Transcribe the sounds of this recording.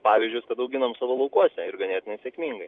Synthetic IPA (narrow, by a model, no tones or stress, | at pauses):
pɑːʋʲiːzʲd͡ʒʲʊjskɐt̪ɐʊɡʲɪnɐmsɑːʋoːlˠɐʊkuɔsʲɛɪɾɡɐnʲeːt̪ʲɪnɐɪsʲɛkʲmʲiːŋɡɐɪ